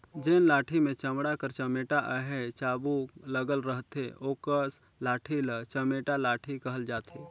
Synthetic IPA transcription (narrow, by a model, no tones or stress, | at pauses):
d͡ʒeːnlaːʈʰimẽt͡ʃəmɽakəɾt͡ʃəmeːʈaʔəɦɛt͡ʃaːbuləɡəlɾəɦt̪eoːkəs | laːʈʰilət͡ʃəmeːʈalaːʈʰikəɦəld͡ʒaːt̪eː